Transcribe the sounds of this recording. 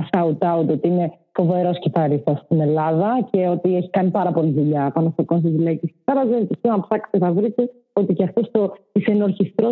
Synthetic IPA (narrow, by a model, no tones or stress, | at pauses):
sɐut̪ɐut̪io̞t̪iine̞ | fo̞ve̞ɾo̞sciθɐɾisɐst̪ine̞lɐðɐceo̞t̪ieçi̥kɐnipɐɾɐpo̞liðuʎɐt̪ɐnɐfokonst̪izilɐicissɐɾɐzent̪içionɐpsɐkst̪eθɐvɾit̪e | o̞t̪iceɐft̪o̞st̪oisenoɾçist̪ɾo